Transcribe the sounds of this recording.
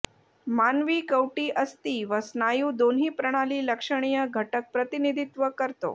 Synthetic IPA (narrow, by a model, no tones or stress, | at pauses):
manʋiːkəwʈiːʔəst̪iːʋəsnajuːd̪onɦiːpɾəɽ̃aliːləkʂəɽ̃ijəɡʱəʈək̚pɾət̪inid̪ʱit̪ʋəkəɾt̪o̰